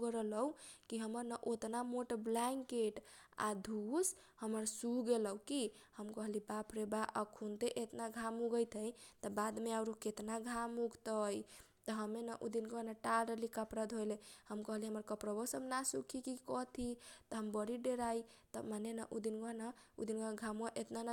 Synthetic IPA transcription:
ɡɾələwkiɦəməɾnaʔot̪namoʈblaŋkeʈa̰d̪ʱus | həməɾsuɡeləwkihəmkəɦlibapʰɾebaʔəkʰunt̪eʔet̪naɡʱamuɡəjt̪ʰəjt̪əbad̪meaɾuket̪naɡʱamuɡt̪əj | t̪ɔɦəmenaʔud̪inɡɔnaʈaɾəlikapɾəd̪ʱɦojlehəmkəɦliɦəməɾkəpɾəbɔsəbnasukʰikikɔt̪ʰit̪ɔɦəmbəɾiɖeɾai | t̪əmanenaʔud̪inɡɔnaṵd̪inɡɔɡʱamuaʔet̪nana

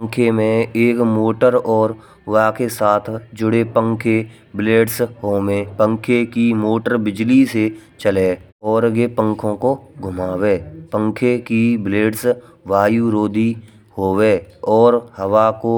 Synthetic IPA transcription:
əŋkʰemẽeːkmoːʈəɾɔːɾ | waːkesaːt̪ʰd͡ʒʊɽepə̃ŋkʰe | bleːɖsɦoːmẽpə̃ŋkʰekimoːʈəɾbɪd͡ʒliset͡ʃəle | ɔːɾɡepə̃ŋkʰõkoɡʱʊmaːweːpə̃ŋkʰekibleːɖsʋaːjuɾoːd̪ʱi | hoːweːɔːɾhəwako

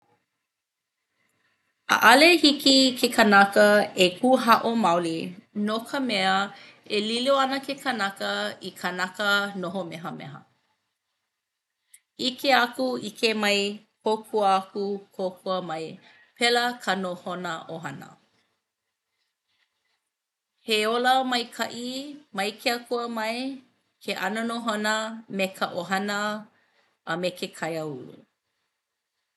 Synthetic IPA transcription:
ə̰ʔɐlehikikʰekʰənakəekʰuɦɐʔomawlinokʰəmɛə | eliloɐnəkʰekʰənakəikʰanakənoɦomɛɦəmɛ̰ɦə̰ | ikʰeakuikʰemɐjkʰokʰuəakukʰokʰuəmɐj | pʰɛləkʰɐnohonəʔoɦɐnə̰ | heoləmɐjkʰɐʔimɐjkʰeakʰuəmɐj | kʰeʔɐnonoɦonəmekʰəʔoɦɐnə | ʔːmekʰekʰɐjəulṵ

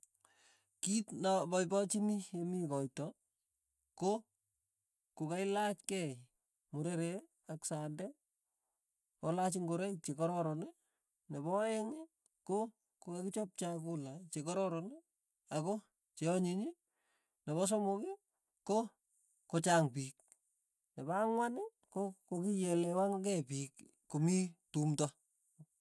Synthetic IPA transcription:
kitnapɔibɔt͡ʃimijemikɔjtɔ | ko | kukaɪlat͡ʃkɛ | muɾeɾe | aksandɛ | pɔlat͡ʃiŋɡoɾɛt͡ʃekɔɾɔɾɔne | nebɔɛŋɪ | ko | kokekit͡ʃɔp̚t͡ʃak̬ulat͡ʃekɔɾɔɾɔne | ako | t͡ʃeɔɲiɲi | neβɔs̬ɔmoki | ko | kot͡ʃaŋpiːk̚ | nebaŋwanɪ | kokokijelewaŋɡɛpiːk | komitumta

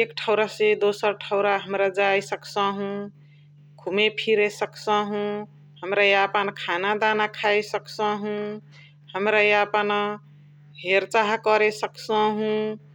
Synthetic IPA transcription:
ekʈʰəʊɾased̪osəɾʈʰəʊɾaɦəmɾad͡ʒajsəksə̃ɦũ | kʰumepʰiɾesəksə̃ɦũ | həmɾajeəpənkʰanad̪anakʰajsəksə̃ɦũ | həmɾajeəpən | ɦeɾt͡ʃaɦkəɾesəksə̃ɦũ

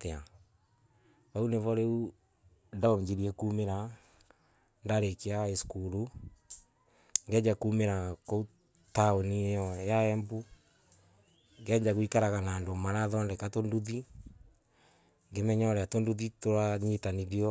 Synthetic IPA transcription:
tea | βauneβɔɾeu | ndaomd͡ʒiɾiɛkumeɾa | ndaɾekeaeskuɾu | ŋɡɛɲd͡ʒakumeɾakou | taonijɔjaɛmbu | ŋɡɛɲd͡ʒaɣwikaɾaɣanaːndomaɾaðɔndɛkatonduði | ŋɡemɛɲɔɾeatonduðitoɾaɲetaniɾiɔ

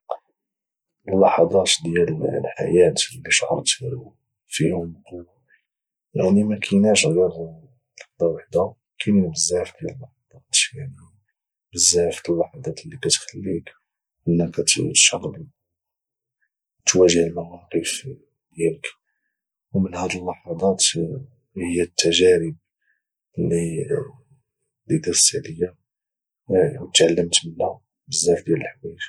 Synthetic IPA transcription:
əlːɑħɑd̪ˤɑt̪d̪jællħa̰jæt̪lːiʃʕɑ̰t̪ɾu | fihʊm | jaʕnimækʰinæʃɣjɑɾ | lɑħd̪ˤɑwaħd̪æ | kʰinbəzːæft̪jælːɑħɑd̪ˤɑt̪jaʕni | bəzːæft̪əlːɑħɑd̪ˤɑt̪lːikæt̪xælːik | ʔənːəkæt̪ʃɑqli | t̪wæʒəhəlmɑwɑqəf | d̪jælək | wmənhæd̪əlːɑħɑd̪ˤɑt̪ | həjːæt̪ːæʒæɾəb̚ | li | d̪id̪æsːəʕləjːa | wt̪ʕalːəmt̪bənæ | bəzːæfd̪jæləlħwiʃ

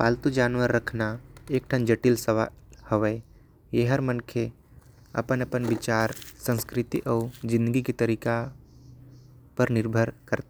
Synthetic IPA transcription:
paːlt̪ud͡ʒaːnʋəɾːəkʰnaeːk̚ʈʰənd͡ʒəʈɪlsəʋahəʋə | jeɦəɾmənkʰe | ɐ̰pənəpənʋɪt͡ʃaːɾsə̃nskɾɪt̪ḭʔɔːd͡ʒɪ̃nd̪əɡiket̪əɾiːka | pəɾnɪɾbʱəɾkəɾt̪a

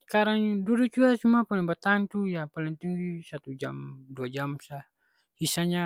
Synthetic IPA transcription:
skaɾaŋdudut͡ʃuat͡ʃumapalɛŋbat̪aant̪ujapalɛŋt̪usat̪ud͡ʒa̰mduad͡ʒamsa | hisaɲa

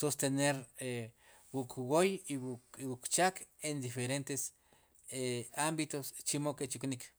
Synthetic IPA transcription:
sost̪eneɾe | wukʰwojiwukt͡ʃakend̪ifeɾent̪es | eambit̪ost͡ʃimoket͡ʃuknik

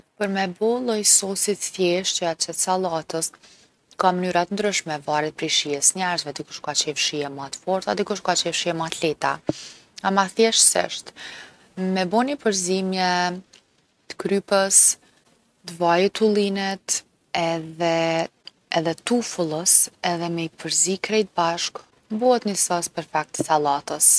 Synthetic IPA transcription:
pəɾmɛbɔlˠɔjsɔsit̪θjɛʃt͡ɕəat͡ʃɛt̪salˠat̪əs | kamənyɾat̪ənd̪ɾyʃmɛvaɾɛt̪̚pɾiʃiɛsɲaɾzvɛd̪ikuʃkat͡ɕɛfʃiɛmat̪fɔɾt̪ad̪ikuʃkat͡ɕɛfʃiɛmat̪lɛt̪a̰ | amaθjɛʃsɛ̰ʃt̪ | mɛbɔnipəɾzimjɛ | t̪ə̥kɾypəs | d̪vajut̪ulˠinɛt̪ | ɛðɛː | ðɛt̪ufulˠəsɛðɛmɛipəɾzikɾɛjt̪̚baʃk | buɛt̪nəsaspəɾfak̚t̪əsalˠat̪əs

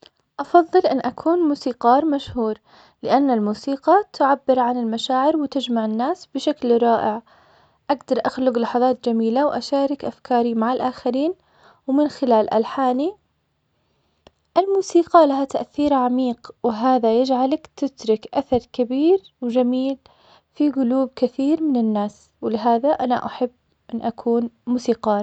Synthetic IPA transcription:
ʔɑfɑðˤːɨlʔɪnːʔakʰuːnmuːsiːqɑːɾˤmaʃhuːɾˤ | lɪʔanːalmuːsiːqɑt̪ʰʊʕabːɪɾʕanɪlmaʃaːʕɪɾwɪt̪ɪd͡ʒmaʕɪnːaːsb̥ɪʃaklɾˤɑːʔɪʕ | ʔaɡd̪ɑɾˤʔaxlʊɡlɑħɑðˤɑːt̪d͡ʒamiːlawʔaʃaːɾˤɪkʔafkʰɑːɾimaʕɪlʔaːxaɾiːn | wmɪnxɪlaːlʔa̰lħaːni | ʔɪlmuːsiːqɑlaɦat̪aʔθiːɾʕamiːqwɪɦaːðajɪd͡ʒʕalakt̪ɪt̪ɾɪkʔaθɑɾˤkabiːɾ | wd͡ʒamiːl | fiɡʊluːb̚kɪθiːɾmɪnɪnːaːs | wɪlɪɦaːðaʔana̰ʔaħabː | ʔɪnʔakʰuːnmuːsiːqɑː

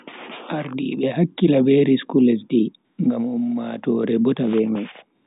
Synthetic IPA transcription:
ʔaɾdḭɓɛɦakːilabeɾiskulɛsdi | ŋɡamumːatɔɾɛbɔtabɛmaj

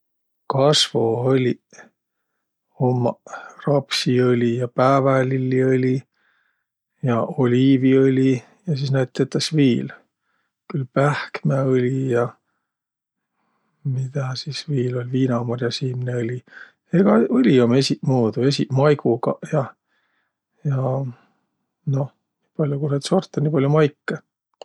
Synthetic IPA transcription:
kɑsvoolʲi | omːɑrɑpsiɤlʲijɑpæːvælilːiolʲi | jɑo̞lʲiːviolʲi | jɑsisnæjt̪ːˑet̪ːɑsviːl | kylpæhkmæolʲijɑ | mid̪̥ɑsisviːlo̞lʲviːnɑmɑrjɑsiːmneɤlʲi | eɡ̥ɑɤlʲiome̞simuːd̪̥ue̞siʔmɑjɡ̥uɡɑjɑ | jɑ | no̞h | niːpɑlʲjukunet̪so̞rt̪ːˑɑniːpɑlʲjumɑjkːe

